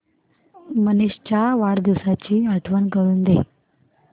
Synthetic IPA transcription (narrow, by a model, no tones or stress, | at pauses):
məniɕt͡ɕaʋaɽd̪iwsat͡ɕiːaʈʰʋənkəɽuːnd̪ḛ